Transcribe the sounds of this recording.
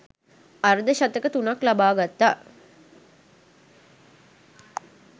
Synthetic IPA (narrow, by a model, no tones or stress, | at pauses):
aɾd̪əʃat̪əkət̪unaklabaːɡat̪ːaː